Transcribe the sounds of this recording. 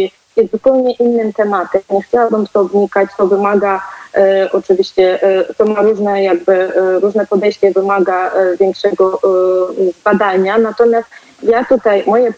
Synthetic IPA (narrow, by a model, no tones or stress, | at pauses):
jɛst̪zupɛwɲɛʔinːɘmt̪ɛmat̪ɛmɲɛxt͡ɕawabɘmt̪ɔvɲikat͡ɕt̪ɔvɘmaɡa | ʔɔt͡ʂɘvʲiɕt͡ɕɛʔt̪ɔmaɾuʐnɛjaɡ̚bɘɾuʐnɛpɔd̪ɛjɕt͡ɕɛvɘmaɡaʔvʲjɛŋkʂɛɡɔ | zbad̪aɲanat̪ɔmʲjast̪ | jat̪ut̪ajmɔjɛ